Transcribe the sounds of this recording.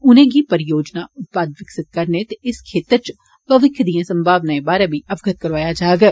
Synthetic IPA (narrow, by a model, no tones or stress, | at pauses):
ʊnẽːɡipəɾɪjoːd͡ʒnaʊt̪̚paːd̪ʋɪksɪt̪̚kɐɾnet̪eɪskʰeːt̪əɾt͡ʃ | pɐʋɪkʰjd̪ijãːsə̃mbʱaːʋnaːẽbaːɾabʱiɐʋɡət̪̚kəɾʋaːjad͡ʒaːɡɛː